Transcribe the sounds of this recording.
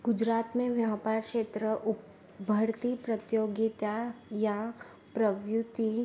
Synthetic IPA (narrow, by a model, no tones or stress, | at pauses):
ɡʊd͡ʒɾaːt̪mẽʋjaːpaːɾkʃeːt̪ɾəʔʊ | bʱəɾt̪ipɾɐt̪joːɡit̪ajã | pɾəʋjut̪i